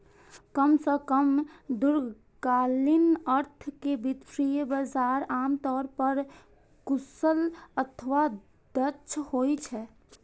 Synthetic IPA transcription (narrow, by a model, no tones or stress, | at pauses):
kəmsəkəmd̪uɾ | ɡalinəɾt̪ʰkebid̪pʰɾijbəd͡ʒaɾamt̪ɔɾpəɾ | kusələt̪ʰəʋa | d̪ət͡ʃʰhojt͡ʃʰɛ